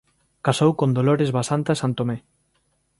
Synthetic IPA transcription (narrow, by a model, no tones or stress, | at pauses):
kasowkõnd̪oloɾezβasant̪asant̪omɛ